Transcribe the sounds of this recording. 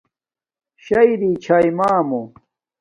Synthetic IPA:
ɕɐjɾiːt͡ɕʰajmaːmo

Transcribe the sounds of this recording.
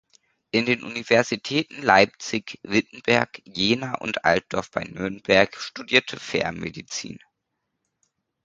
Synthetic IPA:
ʔɪndeːnʔunivɛɐzitʰɛːtn̩laɪp̚t͡sɪçvɪtn̩bɛɐkjeːnaːʔʊ̰ntʔa̰lt̚d̥ɔɐfb̥a̰ɪnʏɐnbɛɐkʃtudiːɐtʰəfɛ̰ɐmedit͡sḭːn

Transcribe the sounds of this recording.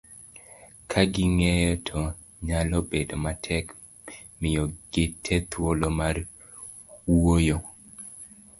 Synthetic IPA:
kʰaɡɪŋɛjɔtʰɔ | ɲalɔbedomatʰɛk | mɪjɔɡ̥ɪtʰɛt̪wolomar | wojo

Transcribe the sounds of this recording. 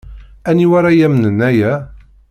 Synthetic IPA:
æniwaɾajæmənənːæjæ

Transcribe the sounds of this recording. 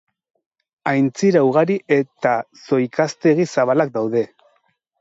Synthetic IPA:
ajnt͡siɾawɣ̞aɾiʔe̞t̪aso̞jkast̪e̞ɣisaβalak̚d̪awðe̞

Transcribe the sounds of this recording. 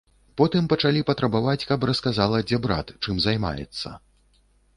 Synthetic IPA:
pɔt̪ɨmpɐt͡ʂalʲipɐt̪ɾɐbavat͡sʲkɐprɐskazalˠɐd͡zʲɛbɾa̰t̪t͡ʂɨmzajma̰jɛ̰t̪sːɐ̰

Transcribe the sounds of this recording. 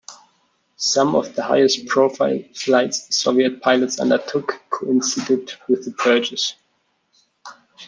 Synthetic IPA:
sʌ̃mʌ̰vðəha̰ɪɨst̚pʰɹ̥oʊfaɪlˠflaɪtssoʊviɨt̚pʰaɪlˠətsʌ̰̃ndə˞tʰʊkkʰoʊɪ̃nsidɪdwɪðəpʰɜ˞t͡ʃɨs

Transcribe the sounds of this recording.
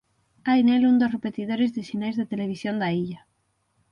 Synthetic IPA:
ajnelund̪osrepet̪iðoɾezðesinajzðet̪eleβ̞isjond̪aiʎa

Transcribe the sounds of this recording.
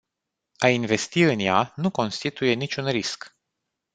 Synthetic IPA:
ainve̞st̪iɨnjanuko̞nst̪it̪uje̞nit͡ʃʲunɾisk

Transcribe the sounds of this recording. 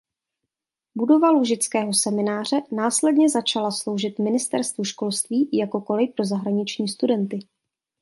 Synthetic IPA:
budo̞valuʒɪt͡skɛːɦo̞sɛmɪnaːr̝ɛnaːslɛdɲɛzat͡ʃalaslo̞wʒɪt̪mɪnɪst̪ɛ̰ɾst̪vuʃko̞lst̪viːjako̞ko̞lɪpɾo̞zaɦɾaɲɪt͡ʃɲiːst̪udɛnt̪ɪ

